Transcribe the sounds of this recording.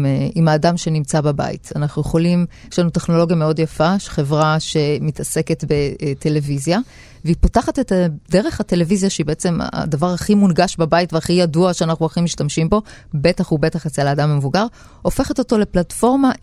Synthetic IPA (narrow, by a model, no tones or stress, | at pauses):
imaːdamʃe̞nimt͡sababa̰ḭtanaχnujeχo̞limjeʃlanuteχno̞lo̞ɡjame̞o̞djafaʃe̥χe̞vʁaʃe̞mitase̞ke̞tbe̞tʰe̞le̞vizja | veipotaχatetadeʁe̞χhate̞levizjaʃeibe̞et͡se̞ma̰davaʁhaχimunɡaʃbabaitveaχijaduaʃeanaχnuaχimiʃtamʃimbo̞be̞taχube̞taχat͡selaːdamamevuɡaʁ | o̞fe̞χato̞to̞le̞platfo̞ʁma